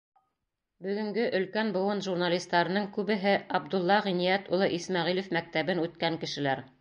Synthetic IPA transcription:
bɵ̆ɡɵ̆ŋɡɵʔɵ̆lkænbɤ̆wɤnʒurnalʲist̪ːɑɾɤ̆nɤŋkʉβɘ̆ɦɘɑb̚d̪ulˠːɑʁinijæt̪ulˠɤʔismɑʁilɘ̆fmæk̚t̪æβɘnʉt̪̚kæŋkɘ̆ʃɘ̆læɾ

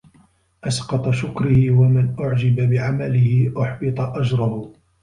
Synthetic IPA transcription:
ʔɑsqɑt̪ˤɑʃʊkɾɪhɪwamɪnʔʊʕd͡ʒɪbabɪʕamalɪhɪʔʊħbɨt̪ˤɑʔad͡ʒɾˤɑhʊ

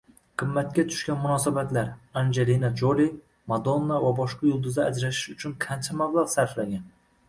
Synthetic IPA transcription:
qʰɨmːat̪̚kʲat̪ʰʊ̥ʃkʲanmʊnɒsabat̪laɾand͡ʒelinat͡ʃʰoli | mad̪onːavabɒʃqɑjʊlˠd̪ʊzd̪aːd͡ʒɾaʃɪʃʊt͡ʃʰʊnqʰant͡ʃʰamablˠaʁsaɾflaɡʲan

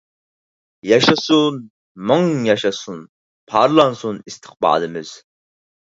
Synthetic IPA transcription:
jɑʃɑsun | mɑŋjɑʃɑsun | pʰɑɾlˠɑnsunist̪ʰə̥χbɑ̰ːd̪ɨmɪz̥

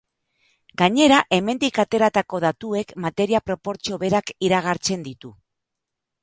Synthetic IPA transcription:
ɡaɲe̞ɾaʔe̞me̞nd̪ikat̪e̞ɾat̪ako̞ðat̪ue̞kmat̪e̞ɾiapɾo̞po̞ɾt͡sio̞βe̞ɾakiɾaɣ̞aɾt͡se̞nd̪it̪u

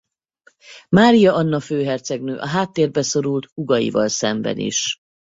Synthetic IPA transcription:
maːɾijɒɒnːɒføːɦɛrt̪sɛɡnøːʔɒɦaːt̪ːeːrbɛso̞ɾult̪uɡɒjḭvɒlsɛmbɛ̰nḭʃ

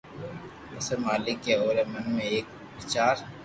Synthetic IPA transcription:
ɐsəɾmaːlɪkːeoːɾemɐnmẽeːk | ʋɪt͡ʃaːɾ

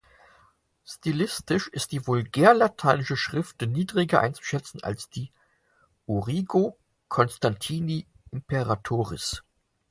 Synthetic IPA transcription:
stilɪstɪʃɪst̚d̥iːvʊlɡɛːɐlatʰaɪnɪʃəʃʁ̥ɪftəniːdʁɪɡɐʔa̰ɪnt͡su̥ʃɛt͡sn̩a̰lsd̥iː | ʔuʁiːɡo | kʰɔnstantʰiːni | ʔɪmpɛʁatʰoːʁɪ̰s

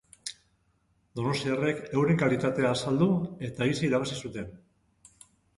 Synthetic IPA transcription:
d̪o̞no̞st̪iare̞ke̞wɾe̞ŋkalit̪at̪e̞aːsald̪ue̞t̪aisaiɾaβ̞asisut̪e̞n

